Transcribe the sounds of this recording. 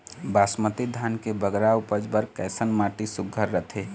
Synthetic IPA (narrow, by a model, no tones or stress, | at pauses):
basmət̪id̪ʱankebəɡɾaʊpəd͡ʒbəɾkɛsənmaʈisʊɡʱːəɾːət̪ʰe